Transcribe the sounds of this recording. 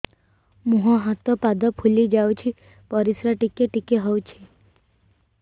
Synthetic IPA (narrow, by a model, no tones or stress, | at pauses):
mũɦɔ̃ɦat̪ɔpad̪ɔpʰulid͡ʒawt͡ʃʰi | pɔɾisɾaʈikeʈikeɦɔwt͡ʃʰi